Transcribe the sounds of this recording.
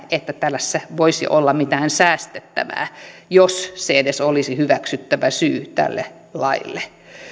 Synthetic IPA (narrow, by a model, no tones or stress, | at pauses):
et̪ːæt̪ælːæsːæʋoisḭʔolːɑmit̪æːnsæːst̪et̪ːæ̰ʋæ̰ːjosseedesolisihyʋæksyt̪ːæʋæsyːt̪æ̰lːḛ | lɑilːe